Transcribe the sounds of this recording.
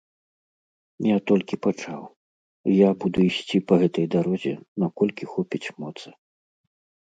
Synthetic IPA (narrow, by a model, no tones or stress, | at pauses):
jat̪ɔlʲkʲipat͡ʂaw | jabud̪uisʲt͡sʲipɐɣɛt̪ɐjd̪aɾɔzʲɛ̰nakɔlʲkʲixɔpʲit͡sʲmɔt̪sɐ̥